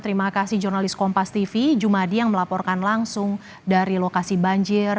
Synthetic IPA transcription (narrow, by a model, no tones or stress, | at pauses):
t̪əɾimakasɪhd͡ʒurnalɪskɔmpast̪ifid͡ʒumadijaŋməlapɔrkanlaŋsʊŋ | daɾilokasibaɲd͡ʒɪr